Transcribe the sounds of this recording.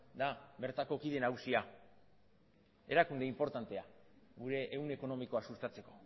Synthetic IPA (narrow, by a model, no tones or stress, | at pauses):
d̪aβe̞ɾt̪ako̞kiðe̞naɣusia | e̞ɾakund̪e̞impo̞ɾt̪ant̪e̞a | ɣuɾe̞ʔːwne̞ko̞no̞miko̞asust̪at͡se̞ko̞